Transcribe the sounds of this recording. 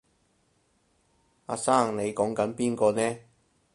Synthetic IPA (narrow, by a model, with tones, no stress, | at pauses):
aː˧saː˥˩ŋne˨˧jkɔː˨˥ŋkɐ˨˥npiː˥nkɔː˧nɛː˥